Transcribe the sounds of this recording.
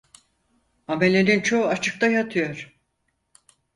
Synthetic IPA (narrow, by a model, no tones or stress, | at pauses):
ame̞lʲe̞nint͡ʃʰoat͡ʃʰɯk̚t̪ʰajat̪ʰɯjo̞ɾ̥